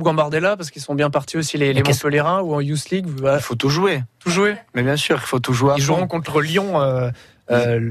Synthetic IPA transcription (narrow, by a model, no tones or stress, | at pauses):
ɡɑ̃baʁd̪elapaʁsə̥kilsɔ̃bjɛ̃paʁt̪ʰiosilelemɔ̃səleʁɛ̃uɑ̃jusliɡafot̪uʒuet̪uʒwemɛbjɛ̃syːʁilfot̪uʒwaiʒuʁɔ̃kɔ̃t̪χʁəljɔ̃ø | ø